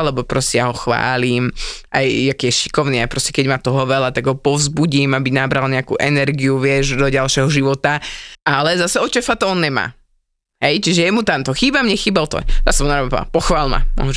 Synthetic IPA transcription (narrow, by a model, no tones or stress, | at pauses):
lɛbɔpɾɔscɛjaɦɔxʋa̰ːliːmʔajakɛjɛʃi̥kɔʊniajpɾɔscɛkɛɟmat̪ɔɦɔʋɛlat̪aɡɦɔpɔvzbuɟimabinabɾalɲɛakṵːʔɛnɛɾɡiuʋɪɛʒd̪ɔɟalʃjɛɦɔʒiʋɔt̪aalɛzasɛɔt͡ʃɛfat̪ɔɔnɲɛma̰ː | ɦɛjt͡ʃiʒɛjɛmut̪ant̪ɔxiːbamɲɛxiːbalt̪ɔ̰zasɛmunaɾɔbapa̰pɔxʋaːlma̰mɔ̰ɦ